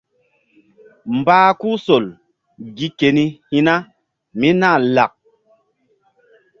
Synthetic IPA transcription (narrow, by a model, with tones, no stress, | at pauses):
m̩˨baː˦ku˦so˨l | ɡi˦ke˨ni˦hi˦na˦ | mi˦na˦˨la˨k̚